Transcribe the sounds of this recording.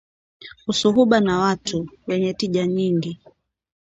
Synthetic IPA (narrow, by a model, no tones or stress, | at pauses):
usuɦuɓanawatʰuwɛɲɛtiʄaɲiŋɡi